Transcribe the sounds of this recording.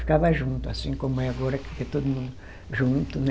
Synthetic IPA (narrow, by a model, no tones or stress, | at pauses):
fi̥kavɐʒũnt̪ʊasĩkomʊɛaɡɔɾɐkket̪od̪umũd̪ʊ | ʒũnt̪ʊn